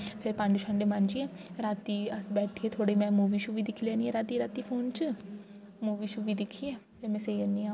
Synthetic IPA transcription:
pʰɪɾpãːɳɖʃʰə̃ɳɖeːmand͡ʒie | ɾaːt̪iːəsbɛːʈʰieːt̪ʰoːɽeiːmɛ̃ːmuːʋiːʃuːʋiːd̪ɪkʰlẽːnieːɾaːt̪iːɾaːt̪iːpʰoːnt͡ʃ | muːʋiːʃuːʋiːd̪ɪkʰːieːpʰeːmɛ̃ːseənːiːaː

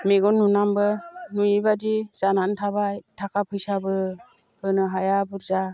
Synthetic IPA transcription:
meɡɔnːunambɯnujibadiz̥anantʰabajtʰakʰapʰɯjsabɯ | hɯnɯɦajabuɾza

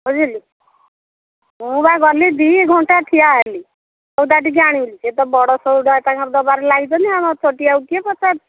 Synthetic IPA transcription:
ɦɔd͡ʒili | ɦũbaɡɔlid̪iɡʱɔɳʈaʈ̪ʰijaɦeli | ɔwd̪aʈiɡaɽ̃ilit͡ʃʰet̪ɔbɔɽɔsɔwɖɔet̪aŋkɔɾd̪ɔbaɾɔlaɡit̪ɔniamɔt͡ʃoʈiawkiepɔta

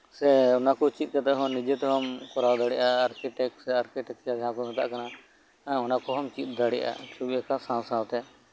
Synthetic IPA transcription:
sɛʊnakɔt͡ʃit̪̚ˀkat̪ɛɦɔ̃nid͡ʒɛt̪ɛɦɔmkɔɾawd̪aɽɛʔaːɾkiʈɛksɛaɾkiʈɛkjaɡʱãkɔmɛt̪a̰ʔkana | ʊnakɔɦɔmt͡ʃit̪̚d̪aɽɛʔa̰t͡ʃʰubijakasãsãwt̪ɛ

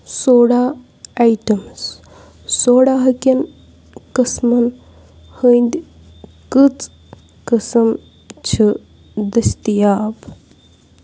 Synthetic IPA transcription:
soːɽaː | ajʈɐms | soːɽaːɦɐkʲɐn | kəsmɐn | hənd̪ʲ | kɨt͡s | kəsɐm | t͡ʃʰɨ | d̪ɐst̪ijaːb

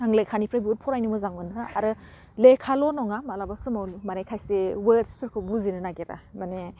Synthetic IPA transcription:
aŋlekʰanipʰɾabiut̚pʰɔɾajnɯmɯzaŋmɯnɦɯaɾɯ | lekʰalɔnɔŋamalabasumawlmanajkʰajsewedspʰiɾ̚kʰɯbuzinɯnaɡeɾa̰mane

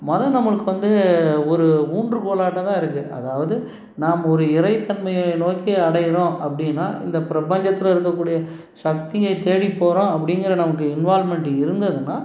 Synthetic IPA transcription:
mɔðɐ̃nɐmːɐɭɯkːɯʋɐnd̪ɯɔɾɯuːɳɖrɯkoːlaːʈːɐt̪ãːɪɾɯkːɯʔɐ̰ðaːʋɐðɯ | naːmɐɔɾɯɪɾɐɪt̪ːɐnmɐjɐnoːkiɐɽɐjɪɾõːɐpːɐɽɪnːa̰ːʔɪ̰nd̪ɐpɪɾɐpɐɲd͡ʒɐt̪ːɪlɐɪɾɯk̬ːɐkːuːɽɪjɐ | ʂɐk̚t̪ɪjɐɪt̪eːɽipːoːɾõːɐp̬ːɐɽɪŋɡɪɾɐnɐmɐkːɯɪnʋaːlmɛɳʈɯɪɾɯnd̪ɐðɯnːaː

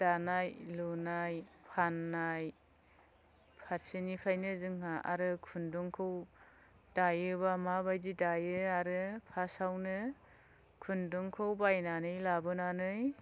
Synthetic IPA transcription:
d̥anajlunajpʰanːaj | pʰaɾsinipʰajnɯzɯŋɦaʔa̰ɾɯkʰundɔŋkʰɯw | d̥ajɯbamabajdidajɯaɾɯpʰasawnɯ | kʰundɔŋkʰɯwbajnanɯjlabɯnanɯj

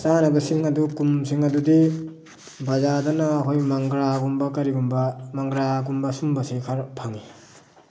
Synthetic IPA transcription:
t͡ʃanɐbɐsiŋɐdukumsiŋɐdudi | bɐzadɐnaːkʰojmaŋɡɾaɡumbɐkɐɾiɡumbɐmaŋɡɾaɡumbɐsumbɐsikʰaɾpʰaŋi

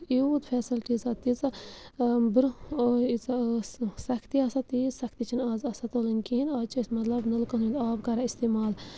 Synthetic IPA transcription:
iːd̪fʰɛːsilʈizɐt̪it͡sɐ | bɨɾit͡s | sɐkʰt̪iɐsɐt̪izsɐkʰt̪it͡ʃʰinaːzɐsɐt̪oːlinkiinaːt͡ʃismɐt̪lɐbnɨlkɐnind̪aːbkɐɾaist̪eːmaːl

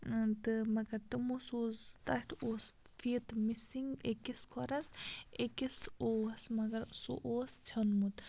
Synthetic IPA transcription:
t̪ɨmɐɡɐɾt̪ɨmusoːzt̪ɐʈ̪ʰoːs | fiːt̪misiŋɡekiskʰoɾɐsekisoːɐsmɐɡɐɾso̰ʔoːst͡ʃʰɐnmut̪

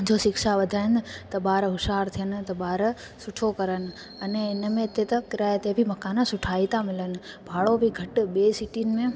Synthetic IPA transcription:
d͡ʑoːʃɪkʃaʋɐd̪ʱaːɪnt̪ɐɓaːɾɦʊʃaːɾt̪ʰijənɪ̆t̪ɐɓaːɾ | sʊʈʰokɐɾənɪ̆ | ɐneɪnmẽɪt̪et̪ɐkɪɾaːet̪ebʱimɐkaːnasʊʈʰaːit̪ʰamɪlənɪ̆bʱaːɽobʱiɡʱɐʈɓeːsiʈinɪ̆mẽ

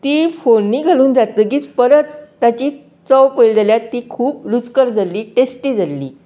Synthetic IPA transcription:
t̪iːfonːiːɡʱaluːnd͡zat̪əːɡiːt͡spəɾət̪ːat͡ɕiː | t͡səwpəjld͡zaljat̪ːiːkʰuːp̚ɾut͡skəɾd͡zaliːʈesʈiːd͡zalːḭː

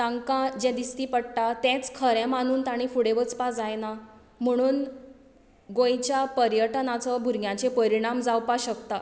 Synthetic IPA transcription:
t̪ãŋkãd͡ʑɛ̃d̪ist̪iːpəɽʈat̪ɛ̃t͡skʰəɾɛ̃mañuːnt̪aɽ̃ifuɽeʋət͡spad͡zajna | m̤əɽ̃uːn | ɡojt͡ɕjapəɾjəʈnat͡səbʱuɾɡjãt͡ɕepəɾiɽ̃amd͡zawpaɕəkt̪a

